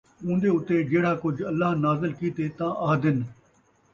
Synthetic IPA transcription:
ũːnd̪eːʊt̪ːed͡ʒeːɽaːkʊd͡ʒɐlːaːnaːzɪlkiːt̪eːt̪ãːʔɐːɦd̪ɪn

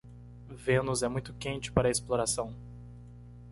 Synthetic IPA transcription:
vẽnʊzɛmũj̃t̪ʊkẽnt͡ʃɪ̥paɾɐesploɾasɐ̃w̃

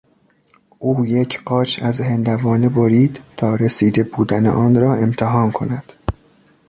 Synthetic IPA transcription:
ʔuːjecʰɢɒːt͡ʃʰæzhend̪ævɒːneboɾiːd̪t̪ʰɒːɾesiːd̪e̞buːd̪ænḛʔɒːnrɒːe̞mt̪ʰeɦɒːnkʰo̞næd̪̥

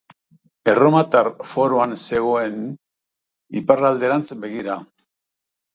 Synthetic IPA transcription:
e̞ro̞mat̪aɾfo̞ɾoanse̞ɣ̞o̞e̞n | iparald̪e̞ɾant͡sbe̞ɣiɾa

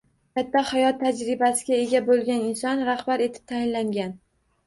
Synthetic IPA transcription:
kʲʰat̪ːahajɒt̪ʰːad͡ʒɾɪbasɪɡʲae̞ɡʲabolˠɡʲanɪnsɒnɾahbaɾe̞t̪ʰɪ̥p̚t̪ʰajɪnlaŋɡʲan

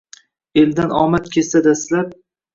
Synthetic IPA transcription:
e̞ld̪anɒ̰mat̪kʲʰe̞sad̪aslap̚

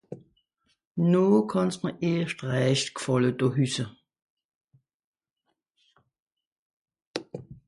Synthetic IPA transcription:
noːkʰɔnsməʔeːʃtʁɛːʃtkʰfɔlədɔɦysə

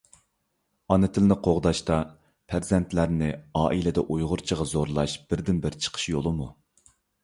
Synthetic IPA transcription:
ɑnɪt̪ʰɪlnɪqʰoʁd̪ɑʃt̪ɑ | pʰæɾzɛnt̪ʰlæɾnɪɑːʔilɪd̪ɛʔujʁʊɾt͡ʃʰəʁɑzoɾlˠɑʃb̥ɪɾd̪ɪnbɪɾt͡ʃʰə̥qʰə̥ʃjolˠɨmu

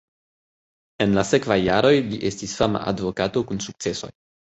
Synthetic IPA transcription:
e̞nlase̞kvajːaɾo̞jliʔe̞stisfama̰ʔa̰dvo̞kato̞kunsuk̚t͡se̞so̞̰j

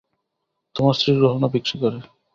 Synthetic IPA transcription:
t̪omasɾiɾoɦonabikʃikɔɾe

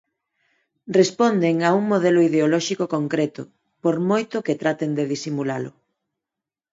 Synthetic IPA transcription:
respond̪eŋauŋmoð̞ɛlʊiðeolɔʃikokoŋkɾɛt̪ʊ̰ | poɾmojt̪ʊket̪ɾat̪end̪eðisimula̰lʊ̰

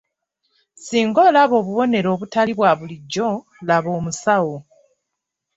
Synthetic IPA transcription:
siːŋɡo̞ːlaβo̞ːβuβo̞ne̞ɾo̞ːβutaliβwaβuliɟːo̞ | laβo̞ːmusawo

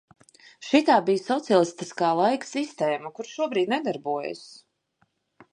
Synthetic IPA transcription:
ʃit̪aːbijsɔt̪sialˠist̪iskaːlˠajksist̪ɛːmakuɾʃuɔbɾiːd̪ʲnɛd̪aɾbuɔj̰a̰s

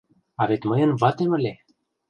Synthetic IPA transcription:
avet̪ʲməjənvat̪eməle

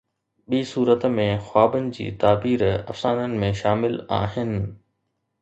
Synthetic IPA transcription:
ɓiːsuːɾət̪mẽxwaːbənɪ̆d͡ʑḭːt̪aːbiːɾɐ̰fsaːnənɪ̆mẽʃaːmɪla̰ːɦɪnɪ̆

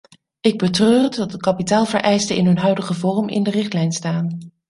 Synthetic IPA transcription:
ɪɡ̚bətrøːrdədɑt̚dəkɑpitaːlˠvəɹʔɛjstəɪnɦɵnɦœɥdəχəvɔrəmʔɪ̰ndərɪχtlɛjnstaːn

